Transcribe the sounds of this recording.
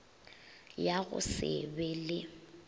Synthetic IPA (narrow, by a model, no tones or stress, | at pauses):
jaɣʊ̰sɪ̰bɛlɪ